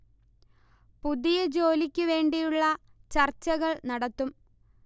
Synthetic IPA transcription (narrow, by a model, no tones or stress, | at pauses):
puðijɐd͡ʑo̞ːlikʲːɨʋe̞ːɳɖijuɭːɐt͡ɕɐrt͡ɕːɐɣɐɭnɐɽɐt̪ːum